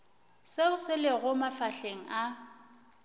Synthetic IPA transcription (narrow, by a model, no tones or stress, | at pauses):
seʊsɪleɣʊmafaɬeŋ̩ʔa